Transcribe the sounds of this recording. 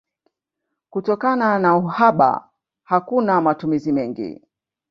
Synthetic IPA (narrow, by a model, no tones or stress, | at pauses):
kutɔkananauhaɓa̰ | hakunamatumizimɛŋɡḭ